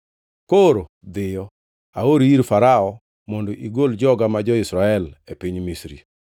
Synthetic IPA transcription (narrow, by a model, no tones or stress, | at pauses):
koɾo | d̪ɪjɔ | aoɾiiɾfaɾaɔ | mɔndoʔiɡold͡ʒɔɡamad͡ʒɔisɾaɛlepiɲmisɾḭ